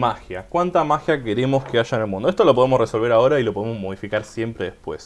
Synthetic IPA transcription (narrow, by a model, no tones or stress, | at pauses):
maxjakwant̪amaxjake̞ɾe̞mo̞skeaʃaenelmũnd̪oest̪o̞lopo̞ð̞emosreso̞lβe̞ɾao̞ɾailo̞poemozmoð̞ifikaɾsje̞mpɾeðespwe̞̰s